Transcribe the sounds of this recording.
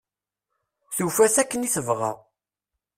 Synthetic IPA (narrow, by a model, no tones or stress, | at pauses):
θufæθækːəniθəvʁa̰